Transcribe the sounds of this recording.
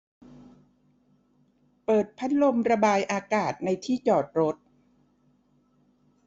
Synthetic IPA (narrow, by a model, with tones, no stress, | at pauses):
pɤː˨˩t̪̚pʰa˦˥t̪̚lo˧mɾa˧baː˧jʔaː˧kaː˨˩t̪̚na˧jt̪ʰiː˥˩t͡ɕɔː˨˩t̪̚ɾo˦˥t̪̚